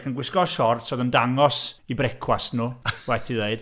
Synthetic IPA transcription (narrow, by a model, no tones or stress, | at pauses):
χənɡwɪskɔʃɔrtsoðəndaŋɔsibrɛkʰwasnuːwɛtʰiðeɨd̥